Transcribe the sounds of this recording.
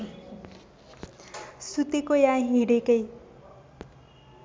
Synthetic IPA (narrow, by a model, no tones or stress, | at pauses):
sut̪ekojãɦiɽekəj